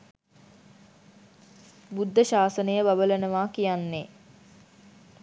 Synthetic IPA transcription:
bud̪ʱːəʃaːsənəjəbabələnəʋaːkijanːe

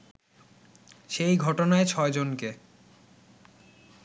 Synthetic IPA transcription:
ʃejɡʱɔʈonaet͡ɕʰɔed͡ʑonke

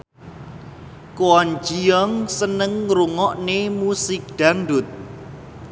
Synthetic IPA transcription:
kuwɔnd͡ʒijɔŋsənəŋːɾuŋɔʔnemusɪk̚ɖ̪̥aŋɖʊt̪̚

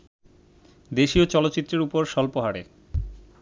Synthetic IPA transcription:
d̪eʃiot͡ɕɔlotːɕit̪ːɾeɾupoɾʃɔlpoɦaɾe

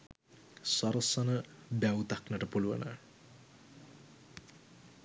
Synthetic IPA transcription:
saɾəsanəbæwut̪aknəʈəpuluʋə̰nə

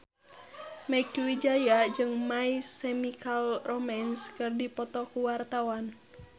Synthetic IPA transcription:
makwid͡ʒajad͡ʒɨŋmaisɛmikalromanskɨrdipɔt̪ɔkuwart̪awan

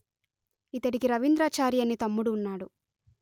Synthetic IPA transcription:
it̪ɐɽikiɾɐʋind̪ɾaːt͡ʃaːɾijɐnːit̪ɐmːuɽuːnːaːɽu

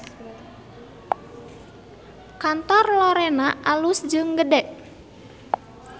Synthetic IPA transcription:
kant̪ɔrlɔɾɛnaʔalusd͡ʒɨŋɡədɛʔ

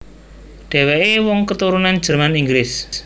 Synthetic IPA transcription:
ɖ̥ɛ̤weʔewɔŋkət̪uɾunand͡ʒ̥ə̤rmaniŋɡlɪs

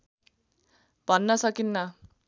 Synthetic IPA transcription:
b̥ʱʌnːʌsʌkinːʌ

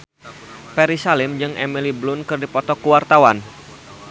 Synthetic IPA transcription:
pɛɾisalɪmd͡ʒɨŋʔɛ̰miliblʊnkɨrdipɔt̪ɔkuwart̪awan

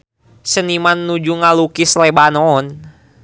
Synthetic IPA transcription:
sənimanːud͡ʒuŋalukislebanɔn

